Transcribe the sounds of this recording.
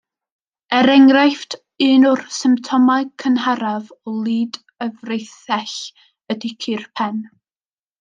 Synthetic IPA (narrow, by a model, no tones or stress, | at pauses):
ɛɾɛŋrajftʰ | ɨːnʊrsɪmp̚tʰɔmaɨkʰənɦaɾavɔlˠiːd | əvrejθɛɬ | ədɪkʰɨrpʰɛn